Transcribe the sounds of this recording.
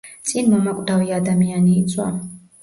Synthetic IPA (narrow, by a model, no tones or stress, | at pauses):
t̪sʼinmɔmakʼd̪aviad̪amianiːt̪sʼʰwa̰